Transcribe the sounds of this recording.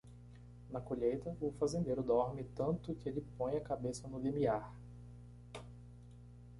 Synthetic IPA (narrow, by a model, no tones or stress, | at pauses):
nɐkoʎejt̪ɐʊfazẽnd̪ejɾʊd̪ɔɾmɪt̪ɐ̃nt̪ʊkɪelɪpõj̃ɐkabesɐnʊlemiaɾ